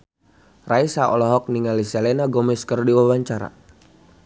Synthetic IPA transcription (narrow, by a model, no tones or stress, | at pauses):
raisaʔɔlɔɦɔk̚niŋalisɛlɛnaɡɔmɛskərdiwawaɲt͡ʃaɾa̰